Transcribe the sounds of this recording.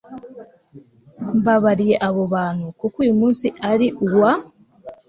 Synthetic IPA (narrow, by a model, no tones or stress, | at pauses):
mβaβaɾijeʔaβo̞βaːnukukwiːmuːnsiʔaɾiʔuwa